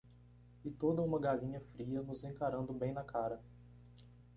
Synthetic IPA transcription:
ɪt̪od̪ɐũmɐɡaʎĩɲɐfɾiɐnʊzẽkaɾɐ̃nd̪ʊbẽj̃nɐkʰaɾɐ

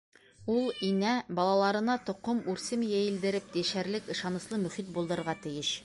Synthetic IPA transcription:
ulˠinæbɒlˠɑlˠɑɾɤ̆nɑt̪ŏqɤmʉɾsɘmjæjɘ̆ld̪ɘ̆ɾɘp̚d̪iʃæɾlɘkɤ̆ʃɑnɤ̆slˠɤmɵ̆χit̪̚bulˠd̪ɤ̆ɤ̆ɾʁɑt̪ɘ̆jɘʃ

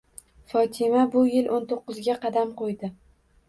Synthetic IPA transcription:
fɒt̪ʰɪmabʊjɪlʔont̪ʰoqːɨzɡʲaqʰɑd̪amqʰojd̪ɪ

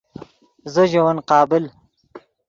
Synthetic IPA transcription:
zəʒowɐnqɑːbɪl

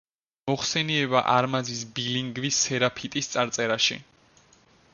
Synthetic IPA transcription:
mɔχsɛniɛbaʔaɾmazisbiliŋɡvisːɛɾapʰit̪ʼist̪sʼaɾt̪sʼɛɾaʃḭ

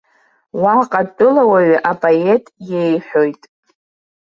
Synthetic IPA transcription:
waqʼatʼɨlawaɥʔapʼoe̞tʼjejħʷo̞jtʼ

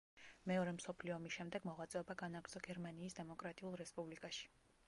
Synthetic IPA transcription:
mɛɔɾɛmsɔpʰliɔmisʃɛmd̪ɛɡmɔʁat̪sʼɛɔbaɡanaɡɾd̪z̥ɔɡɛɾmaniːsd̪ɛmɔkʼɾat̪ʼiulˠɾɛspʼublikʼaʃi̥

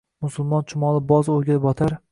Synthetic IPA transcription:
mʊsʊlˠmɒnt͡ʃʰʊmɒlˠɪbɒzoɾɡʲanbɒt̪ʰaɾ

